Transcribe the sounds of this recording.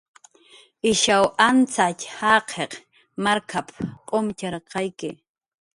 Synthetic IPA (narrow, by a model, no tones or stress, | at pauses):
ɪʃawʔant͡sachaqʰeq | maɾkʰapqʼomt͡ʃaɾqʰɑjkɪ